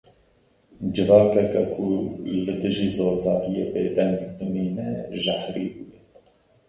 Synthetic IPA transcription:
d͡ʒɨvɑːkɛkɛkʰulɨd̪ɨʒiːzoːɾd̪ɑːɾijeːbeːd̪ɛŋɡd̪ɨmiːnɛʒahɾiːbujɛ

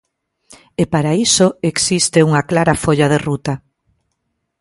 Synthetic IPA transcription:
epaɾaisoeksist̪euŋaklaɾɐfoʎaðerut̪a

